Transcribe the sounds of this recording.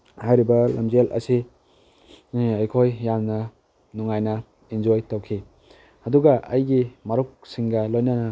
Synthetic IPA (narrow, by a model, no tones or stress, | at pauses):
hajɾibɐlɐ̰md͡ʒelʔɐ̰si | ɐjkʰojːamnɐ | nuŋajnɐ | ind͡ʒojtowkʰi | ɐduɡɐʔɐ̰jɡimɐɾuk̚siŋɡɐlojnɐnɐ